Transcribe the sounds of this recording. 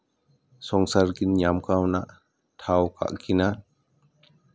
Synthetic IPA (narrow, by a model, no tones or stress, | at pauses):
sɔŋsaɾɡinɲamkawnaʔ | t̪ʰawka̰ʔkinan